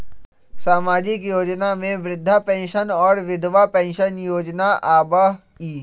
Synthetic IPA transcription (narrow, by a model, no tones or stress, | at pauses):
saːmaːd͡ʒɪkjoːd͡ʒnamẽʋɾɪd̪ʱːapɛ̃ːnʃənɔːɾʋɪd̪ʋapɛ̃ːnʃənjoːd͡ʒnaʔaːbə | iː